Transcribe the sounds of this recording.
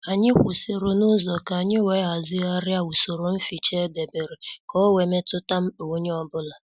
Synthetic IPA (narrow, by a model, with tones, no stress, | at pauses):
a˨ɲɪ˦kʷʊ˨si˨ɾo˨nʊ˦zɔ˨ka˨ɲɪ˦we˦a˨zɪ˦a˦ɾja˦u˨so˨ɾo˨m̩˦fi˨t͡ʃe˦de˨be˨ɾe˨kɔ˦we˨me˦tʊ˦ta˦m̩˦o˨˦ɲe˦ɔ˦bʊ˦la˨